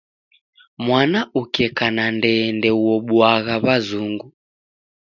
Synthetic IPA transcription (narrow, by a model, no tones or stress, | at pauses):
mwanaukɛkanandɛndɛuwɔɓwaɣaβazuŋɡu